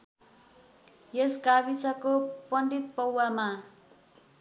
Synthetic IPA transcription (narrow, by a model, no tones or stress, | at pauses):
jeskabisʌkopʌɳɖit̪̚pʌwːama